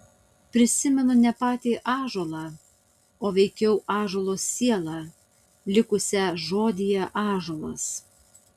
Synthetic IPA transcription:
pʲɾʲɪsʲɪmʲɛnʊnʲɛpɑːt̪ʲiːʔɑːʒoːlˠɑː | oːʋʲɛɪkʲɛʊʔɑːʒoːlˠoːsːʲiɛlˠɑː | lʲɪkʊsʲɛʒoːd̪ʲɪjɛʔɑːʒoːlˠɐs

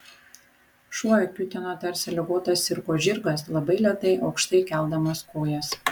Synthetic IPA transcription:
ʃuɔjɛkʲʊt̪ʲɛnoːt̪ɐɾʲsʲɛlʲɪɡoːt̪ɐsɪɾkoːʒʲɪɾɡɐslˠɐbɐɪlʲɛt̪ɐɪʔɒʊkʃt̪ɐɪkʲɛlˠˑd̪ɐmɐskoːjɛs

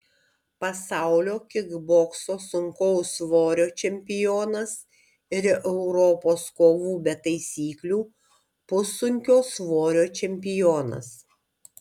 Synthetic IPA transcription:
pɐsɑˑʊlʲoːkʲɪɡboːksoːsʊŋkɔʊsʋoːɾʲoːt͡ʃʲɛmʲpʲɪjoːnɐs | ɪɾʔɛʊɾɔpoːskoːʋuːbʲɛt̪ɐɪsʲiːklʲuː | pʊsʊŋʲkʲoːsʋoːɾʲoːt͡ʃʲɛmʲpʲɪjoːnɐ̰s

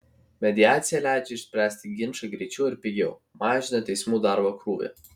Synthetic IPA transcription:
mʲɛd̪ʲɪaːt̪sʲɪjælʲæˑɪd͡ʒʲɛɪʃʲsʲpʲɾʲæːsʲt̪ʲɪɡʲɪnʃɐɡɾʲɛt͡ʃʲɛʊɪɾpʲɪɡʲɛʊmɑːʒʲɪnɐt̪ʲɛɪsmuːd̪ɑɾbɐkɾuːʋʲḛ

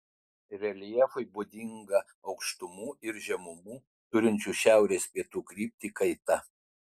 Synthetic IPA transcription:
ɾʲɛlʲjɛfʊɪbuːd̪ʲɪŋɡɐ | ɒʊkʃt̪ʊmuːɪɾʒʲɛmʊmuː | t̪ʊɾʲɪnʲt͡ʃʲuːʃʲæˑʊɾʲeːspʲiɛt̪uːkɾʲiːp̚ʲt̪ʲiːkɐɪt̪ɐ

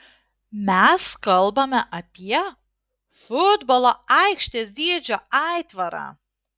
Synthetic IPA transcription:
mʲæskɐlˠbɐmʲɛʔɐpʲiɛ | fʊd̪bɔlˠoɐɪkʃʲt̪ʲeːsd̪ʲiɛd͡ʒʲoːɑɪt̪ʋɐɾɑ̰ː

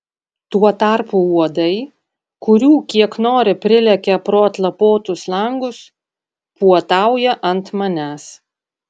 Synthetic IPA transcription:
t̪uɔt̪ɑɾpuuɔd̪ɐɪ | kʊɾʲuːkʲiɛknoːɾʲɪpʲɾʲɪlʲɛkʲɛpɾoːɐt̪lˠɐpoːt̪ʊslˠɐŋɡʊs | puɔt̪ɑˑʊjɛʔɐnt̪mɐnʲæːs

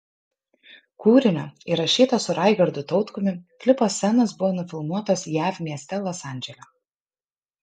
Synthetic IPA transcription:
kuːɾʲɪnʲoiɾɐʃʲiːt̪ɐsʊɾɑˑɪɡɐɾd̪ʊt̪ɔʊt̪kʊmʲɪkʲlʲɪposːʲɛnɐsbʊʋoːnʊfʲɪlˠmuɔt̪osjæːfʲmʲiɛsʲt̪ʲɛlˠɔsɑˑnʲd͡ʒʲɛlʲo

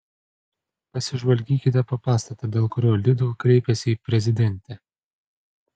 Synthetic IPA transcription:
pɐsʲɪʒʋɐlʲɡʲiːkʲɪt̪ʲɛpɐpɑːst̪ɐt̪ɐːd̪ʲeːlˠkʊɾʲoːlʲɪd̪uːkɾʲɛɪpʲɛsʲɪiːpʲɾʲɛzʲɪd̪ʲɛnʲt̪ʲɛ

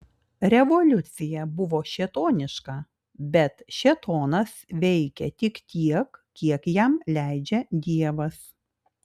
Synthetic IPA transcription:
ɾʲɛʋɔlʲʊt̪sʲɪjɛbʊʋoːʃʲɛt̪oːnʲɪʃkɑˑ | bʲɛt̪ʃʲɛt̪oːnɐsʋʲɛɪkʲɛt̪ʲɪkt̪ʲiɛkkʲiɛkjɛmlʲæˑɪd͡ʒʲɛd̪ʲiɛʋɐs

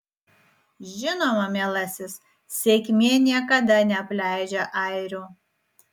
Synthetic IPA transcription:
ʒʲɪnoːmɐmʲeːlˠɐsʲɪs | sʲekʲmʲeːnʲiɛkɐd̪ɐnʲɛɐpʲlʲæˑɪd͡ʒʲɛʔɐɪɾʲuː

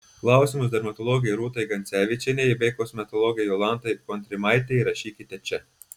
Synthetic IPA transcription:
klˠɑʊsʲimʊsd̪ɐɾmɐt̪ɔlˠɔɡʲɛjɾuːt̪ɐjɡɐnʲt̪sʲæːʋʲɪt͡ʃʲɛnʲɛjɪbʲɛɪkoːsmʲɛt̪ɔlˠɔɡʲɛjɔlˠɑnt̪ɐɪpɔnt̪ʲɾʲɪmɑɪt̪ʲɛɾɐʃʲiːkʲɪt̪ʲɛt͡ʃʲɛ

